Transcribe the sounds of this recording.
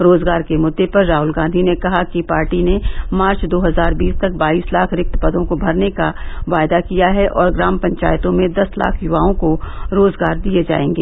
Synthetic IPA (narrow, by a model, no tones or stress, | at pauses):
ɾoːzɡaːɾkemʊd̪ːepɐɾːaːɦʊlɡãːnd̪ʱinekɐɦakipaːɾʈinemaːɾt͡ʃd̪oːɦɐzaːɾbiːst̪ɐk̚baːiːslaːkʰɾɪk̚t̪pɐd̪õkobʱɐɾnekaʋaːjd̪akijaɦɛʔɔːɾɡɾaːmpɐ̃ɲt͡ʃa̰ːjt̪õmẽd̪ɐsla̰ːkʰjʊʋaːõkoɾoːzɡaːɾd̪ied͡ʒa̰ːẽːŋɡeː